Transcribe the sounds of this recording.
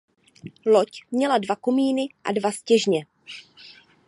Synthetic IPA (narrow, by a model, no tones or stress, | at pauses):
locmɲɛladvakomiːnɪʔa̰dvascɛʒɲɛ